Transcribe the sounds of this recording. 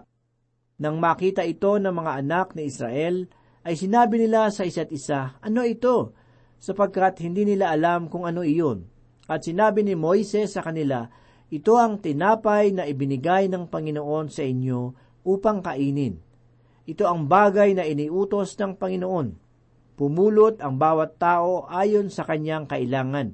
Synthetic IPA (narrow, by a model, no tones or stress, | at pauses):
nɐŋmaːkiːt̪ɐɪt̪o̞nɐŋmɐŋaʔɐnaknɪɪsɾɐ̰ʔɛl | ʔɐjsɪnaːbɪnɪlasɐʔɪsɐt̪̚ɪsaʔɐno̞ɪt̪o̞ | sɐpɐɡ̚kat̪hɪnd̪iːnɪlaɐlamkʊŋɐno̞ʔɪjo̞n | ʔɐt̪sɪnaːbɪnɪmo̞jsɛsːɐkɐnɪla | ʔɪt̪o̞ʔɐŋt̪ɪnaːpɐjnɐʔɪbɪnɪɡajnɐŋpɐŋɪnoʔo̞nsɐʔɪɲjo̞ | ʔuːpɐŋkɐʔiːnɪn | ʔɪt̪o̞ʔɐŋbaːɡɐjnɐʔɪniʔuːt̪o̞snɐŋpɐŋɪno̞ʔo̞n | pʊmuːlot̪ɐŋbaːwɐt̪ːaːʔo̞ʔaːjo̞nsɐkɐɲaŋkɐʔɪlaːŋɐn